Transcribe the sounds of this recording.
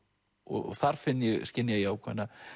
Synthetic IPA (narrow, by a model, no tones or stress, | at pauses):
ɔ̰ɣθaɾ̥fɪnːjɛɣscɪnːjajɛawkʰvɛnːa